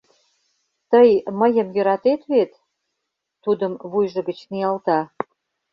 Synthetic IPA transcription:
t̪əjməjə̆mjø̆ɾɑt̪et̪βet̪ː | ud̪əmβujʒə̆ɣə̆t͡ɕniɑlt̪ɑ

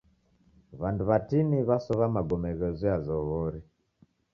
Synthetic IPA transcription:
βanduβatiniβasɔβamaɡɔmɛɣɛzɔjazɔɣɔɾi

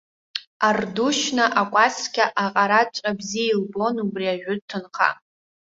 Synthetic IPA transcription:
arduʃnaʔakʷʼaskʲaʔaqʼaɾat͡ʃʷʼabziilbo̞nubriaʒᶣʊtʰɨnχʰa̰

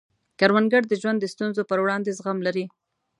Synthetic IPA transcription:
kaɾwanɡaɽd̪əʒwand̪ːəst̪unzopəɾwɽɑnd̪ezɣamlaɾi

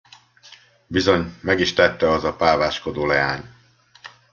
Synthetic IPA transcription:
bizo̞ɲmɛɡiʃt̪ɛt̪ːɛɒzɒpaːvaːʃko̞d̪oːlɛja̰ːɲ

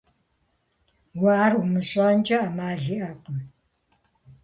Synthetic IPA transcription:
waːrwmɨɕʼant͡ʃʼɐamaːɮiʔaqəm

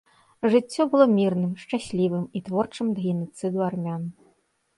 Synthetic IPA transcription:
ʐɨt͡sʲːɔbɨlˠɔmʲirnɨmʂt͡ʂasʲlʲivɨmit̪vɔrt͡ʂɨmd̪ɣʲinut̪sɨd̪uarmʲan

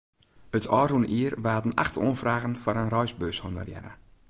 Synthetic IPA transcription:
ətʰɔːruənʔiərʋaːdən̩a̰xtʰo̰ːnfraːɣənfɔɾənrɔjsbøːshondə̰rjɛ̰nə̰

